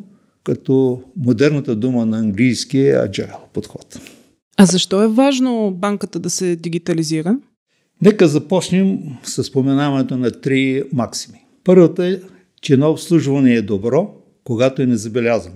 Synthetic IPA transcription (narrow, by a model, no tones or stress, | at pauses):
kɐt̪ɔmod̪ɛɾnɐt̪əd̪umənɐːŋɡlijskiəɐ̰d͡ʒa̰ɛlˠpot̪xɔt̪ | ɐzɐʃt̪ɔɛvaʒnobaŋkət̪əd̪ɐsɛd̪iɡit̪ɐliziɾə | nɛkəzɐpɔt͡ʃnɛmsɐsːpomɛnavɐnɛt̪onɐt̪ɾimaksi̥mi̥ | pɤɾvət̪oɛ | t͡ʃɛnɔopslˠuʒvɐnɛːd̪obɾɔ | koɡat̪oɛnɛzɐbɛlʲazɐno